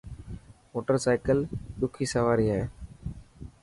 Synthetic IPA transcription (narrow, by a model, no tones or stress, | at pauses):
moːʈəɾsaːɪkəlɗʊkʰiːsəʋaːɾiːaːɦeː